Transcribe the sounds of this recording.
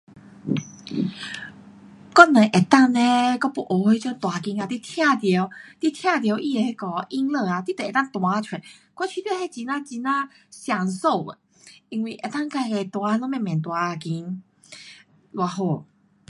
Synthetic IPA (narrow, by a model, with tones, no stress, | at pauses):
kɔ˧nɛ̃˨˩ʔe˨˩t̪a˥˧ŋnẽ˦kɔ˥˧pu˧˩ʔo˨˦hwe˧˦t͡ɕɔ˧˦t̪wa˨˩ki˧na˧t̪i˧˦t̪ʰja˥˧t̪je˧˦wt̪i˧˦t̪ʰjã˥˧t̪̬je˧wʔi˧e˨˧he˧˦kɔ˧˩ʔi˦ŋlə˥˧˨a˨t̪i˦t̪ɛ˨˩t̪a˥˧ŋt̪wa˨˧˦t͡ɕʰwɛ˨˩n | kwa˧˥˦t͡ɕʰi˧pji˥˧˨he˥˧t͡ɕi˧˦nã˦˥t͡ɕi˧nã˦ | ɕja˨˩ŋso˥˧˨ʊḛ˨˩ | i˧ŋwi˨˩ʔe˨˩t̪a˥˧˨ŋka˧˩˨ke˧˩t̪wa˧˦˧lɔ˧˦mã˥˧˨mjɛ̃˨˩nt̪wa˨˧ki˧˦n | lwa˧ɦo˥˧˩